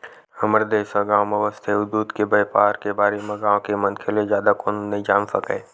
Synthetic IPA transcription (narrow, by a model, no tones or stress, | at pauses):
həməɾd̪eːʃəɡãːwməʋəst̪ʰeʊd̪ːuːd̪kebəjpaːɾkebaːɾemẽɡãːwkemə̃nkʰelezjaːd̪akoːnnɐid͡ʒaːmsəkḛ̃ː